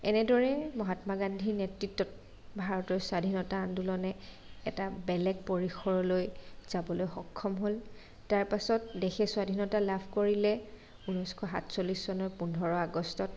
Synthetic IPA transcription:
ɛnɛdɔɹɛmɔɦatmaɡandʱinetɹitːɔt̚ | bʱaɹɔtɔɹsadʱinɔtaːndulɔnɛː | tabɛlɛɡ̚poɹixɔɹɔlojz̥abɔlojxɔkʰːɔmɦol | taɹpasɔt̚dexɛsuadʱinɔtalabʰʱkoɹilɛ | unɔjskʰɔɦa̰tʰsoliszɔnɔɹpundʱɔɹɔaɡɔstɔt̚

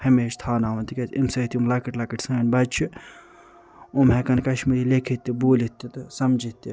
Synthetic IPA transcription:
hɐmeːʃt̪ʰaːnaːʋɐnt̪ikɐt̪imsɐit̪iumlɐkɐʈlɐkɐʈsɨŋɐnbɐt͡ʃʰi | umɦekɐnkɐʃmiɾiːlekʰit̪ːibuːlit̪ːit̪sɐmd͡ʒit̪ːi

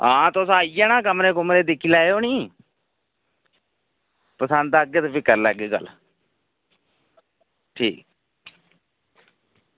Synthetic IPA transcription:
ãːt̪osaːijɛːnãːkəmɾẽːkʊmɾeːd̪ɪkʰːiːlɛːeoːniː | pəsə̃nd̪aːəɡːeːt̪opʰiːkəɾlɛ̰ːɡeːɡə̰l | ʈʰiːk̚

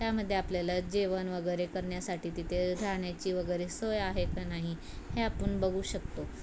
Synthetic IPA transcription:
t̪jaməd̪ʱːjeapljalad͡ʑeʋənʋəɡəjɾekəɾɳjasaʈiːt̪it̪ʰeɡʱaɳjat͡ɕiːʋəɡəjɾesojaɦekanaɦi | heapəɳbəɡuːɕəkt̪o

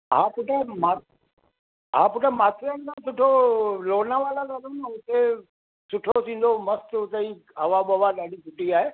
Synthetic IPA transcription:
ɦã̰ːpʊʈʰema | ɦaːpʊʈemaːt̪ʰɾənkʰãːsʊʈʰoloːnaʋaːlalaɾəmʊt̪e | sʊʈʰosĩːn̆d̪omɐst̪ʊt̪eiɐʋaɓɐʋaɗaːɖisʊʈiaːɦeː

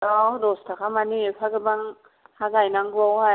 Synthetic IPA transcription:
adɔstʰakʰamanipʰaɡɯbaŋ | haɡajnaŋɡawha

